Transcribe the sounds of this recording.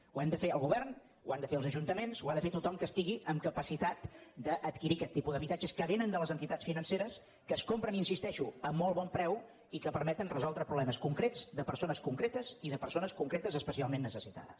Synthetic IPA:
uɛmd̪əfeəlˠɣuβɛrn | ua̰nd̪əfeəlzəʒunt̪əmenzuaðəfet̪ut̪ɔmkəst̪iɣiʔəmkəpəsit̪at̪d̪əʔːt̪kiɾikɛt̪ːipuðəβit̪ad͡ʒəskəβenənd̪ələzənt̪it̪asfinənseɾəs | kəskompɾəninsist̪ɛʃuəmːɔlˠβɔmpɾɛw | ikəpəɾmɛt̪ənrəzɔlˠd̪ɾəpɾuβlɛməskuŋkɾed͡zd̪əpəɾsonəskuŋkɾet̪əziðəpəɾsonəskuŋkɾet̪əzəspəsialˠmenːəsəsit̪a̰ðə̰s

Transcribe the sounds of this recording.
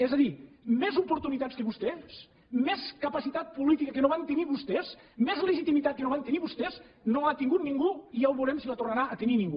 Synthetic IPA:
ezəðimezupuɾt̪unit̪atskəβust̪es | meskəpasit̪at̪̚pulit̪ikəkenoβant̪əniβust̪es | mezleʒit̪imit̪at̪̚kenoβant̪əniβust̪eznoat̪iŋɡut̪niŋɡuiawβuɾɛmsilat̪urnaɾaʔət̪əninĩŋɡu

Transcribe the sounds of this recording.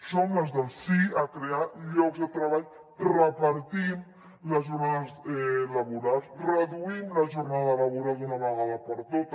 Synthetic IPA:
soməzðəlˠsiakɾeaʎɔkzðət̪ɾəβaʎ | rəpəɾt̪im | ləzʒurnaðəzɛləβuɾalˠsrəðuimləʒurnaðələβuɾalˠd̪unəβəɣaðəpəɾt̪ot̪

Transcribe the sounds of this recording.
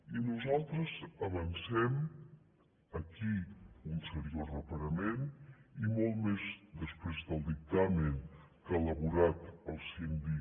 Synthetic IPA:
inuzalˠt̪ɾəzəβənsɛm | əkiunsəɾiozrəpəɾəmenimɔlˠt̪mezd̪əspɾezðəlˠd̪ik̚t̪amən | kaːləβuɾat̪əlˠsind̪i

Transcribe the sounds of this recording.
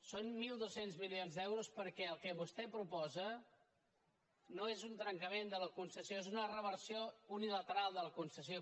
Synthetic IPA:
sonmilˠd̪osenzmilionzðɛwɾuspəɾkɛəlˠkɛβust̪ɛpɾupɔzə | noezunt̪ɾəŋkəmend̪ələkunsəsijoezunərəβ̞əɾsiounilət̪əɾalˠd̪ələkunsəsjo

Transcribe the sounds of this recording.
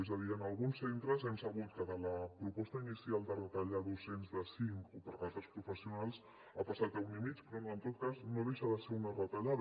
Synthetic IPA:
ɛzəðiənəlˠɣunsːent̪ɾəzɛmsəβ̞ut̪̚kəðələpɾupɔst̪əinisialˠd̪ərət̪əʎaðosenzðəsiŋkopəɾɣat̪ɾəspɾufəsiunalˠs | apasat̪əunimit͡ʃpɾɔənt̪ot̪̚kaznoðeʃəðəsɛɾunərət̪əʎað

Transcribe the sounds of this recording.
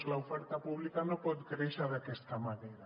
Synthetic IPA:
zlaufɛɾt̪apuβlikanopɔt̪kɾeʃaðakest̪amaneɾa

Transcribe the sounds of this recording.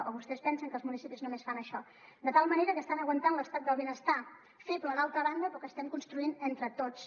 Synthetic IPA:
ʔəβust̪ɛspɛnsəŋkəlˠzmunisipiznumesfanəʃɔ | d̪ət̪alˠməneɾəkəːst̪anəɣwənt̪anləst̪at̪̚d̪əlˠβenəst̪a | feplənalˠt̪ɾəβand̪əpɾɔkeəst̪ɛmkunst̪ɾuinent̪ɾət̪ot͡s

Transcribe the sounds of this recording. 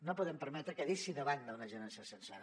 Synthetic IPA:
nopuðɛmpəɾmɛt̪ɾəkəðisiðəβand̪əunəʒənansəsənsaɾ

